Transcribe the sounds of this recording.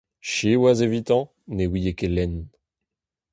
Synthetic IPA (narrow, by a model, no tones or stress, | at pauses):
ʃewazevit̪ɑ̃ | newijekelɛn